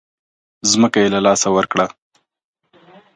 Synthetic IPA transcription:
zməkajelalɑsawəɾkɽa

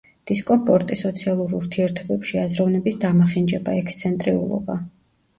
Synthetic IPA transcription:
d̪̥iskʼɔmpʼʰɔɾt̪ʼisɔt̪sʰialˠuɾuɾt̪ʰiɛɾt̪ʰɔbɛpʃiazɾɔvnɛbisd̪amaχind͡ʒɛbaɛkʰst̪sʰɛnt̪ʼɾiṵlˠɔ̰ba

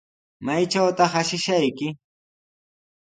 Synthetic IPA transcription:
majt͡ʃawt̪ɑχaʃɪʃajkɪ

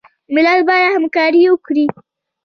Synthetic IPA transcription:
mɪlalbɑjad̪hamkɑɾiwəkɽi

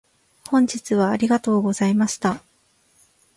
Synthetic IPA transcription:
hõ̞ɲ̟d͡ʑit͡sɨβ̞aːɾʲiɡat̪o̞ːɡo̞zaimaɕi̥t̪a

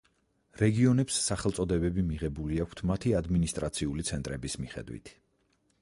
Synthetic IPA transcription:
ɾɛɡiɔnɛpsːaχɛlˠt̪sʼɔd̪ɛbɛbimiʁɛbuliakʰt̪ʰmat̪ʰiad̪minist̪ʼɾat̪sʰiulit̪sʰɛnt̪ʼɾɛbismiχɛ̰d̪wḭt̪ʰ

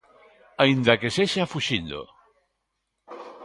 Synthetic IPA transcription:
aind̪akeseʃafuʃind̪o̰

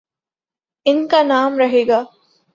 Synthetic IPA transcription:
iŋkanaːmɾɐɦiɡa

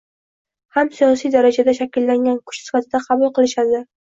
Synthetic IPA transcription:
hamsijɒsijd̪aɾad͡ʒad̪aʃakʲɪlːaŋɡʲankʰʊ̥ʃsɪ̥fat̪ʰɪd̪aqʰɑbʊlˠqʰɨlˠɪʃad̪ɪ

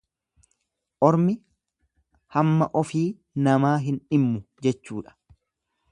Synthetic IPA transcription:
ʔɔɾmɪ | hɐmːɐʔɔfiː | nɐmaːɦɪnᶑɪmːʊd͡ʒɛt͡ʃːuːᶑɐ̥

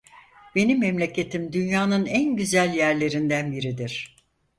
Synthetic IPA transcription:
be̞nimːemlʲe̞cʰe̞t̪ʰimd̪ynjaːnɯnænɟyzælʲjæɾlʲe̞ɾind̪ænbiɾid̪iɾ̥

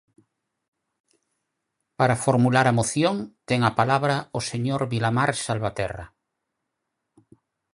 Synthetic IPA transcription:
paɾafoɾmulaɾamoθjoŋt̪eŋapalaβɾaoseɲoɾβilamaɾsalβat̪ɛra̰

